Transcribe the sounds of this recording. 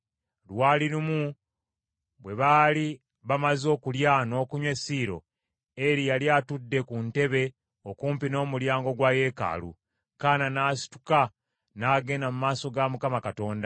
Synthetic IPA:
lwaːliɾumu | βwe̞βaːli | βamazo̞ːkuljano̞ːkuɲwe̞siːɾo̞̰ | eɾijaljatudːe̞kunte̞βe̞ | okuːmpino̞ːmuljaːŋɡo̞ɡwaje̞ːka̰lṵ | kaːnanaːsi̥tu̥ka | naːɡe̞namumaːso̞ɡamukamakato̞ːnda

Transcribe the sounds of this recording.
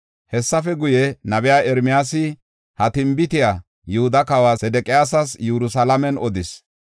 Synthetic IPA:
hɛsːɐfɛɡʊjɛnɐbɪjaːɛɾmɪjaːsɪ | hɐt̪ɪmbɪt̪ɪjaː | jʊhʊd̪ɐkɐwaːsɛd̪ɛkʼɪjaːsɐsjuɾʊsɐlɐmɛnɔd̪ɪs

